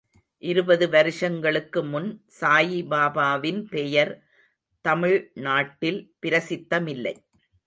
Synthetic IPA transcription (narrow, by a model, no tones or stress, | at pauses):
ʔɪɾɯbɐðɯʋɐɾɪʂɐŋɡɐɭɯkːɯmʊnsaːjibaːbaːʋɪnpɛjɐɾ | t̪ɐmɪɻnaːʈːɪlpɪɾɐsɪt̪ːɐmɪlːɐɪ